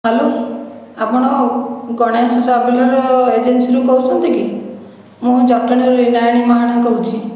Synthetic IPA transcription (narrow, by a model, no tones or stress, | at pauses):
ɦalo | apɔɽ̃ɔɡɔɽ̃esɔʈabelɔɾɔed͡ʒensiɾukɔut͡ʃʰɔnt̪iki | mũd͡ʒɔk̚ʈɔɽiɾuinajɔɽ̃imaɦaɽ̃akɔɾut͡ʃʰi